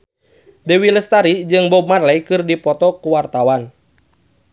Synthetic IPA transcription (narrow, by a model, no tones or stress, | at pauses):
dɛwiləst̪aɾid͡ʒɨŋbɔb̚marlɛjkɨrdipɔt̪ɔkuwart̪awan